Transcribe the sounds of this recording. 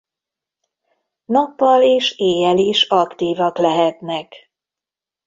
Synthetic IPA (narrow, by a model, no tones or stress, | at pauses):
nɒpːɒleːʃeːjɛliʃɒkt̪iːvɒklɛɦɛt̪nɛk